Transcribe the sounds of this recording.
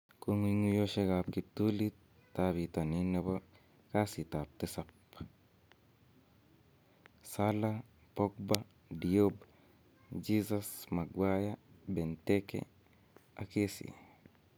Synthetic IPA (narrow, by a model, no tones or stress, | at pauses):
koŋwiŋujoʃeɡapkip̚tulit | tːabitanineba | kasitap̚tesap | sala | pok̚ba | dijob | d͡ʒisasmaɡwajabentekḛ | akesḭ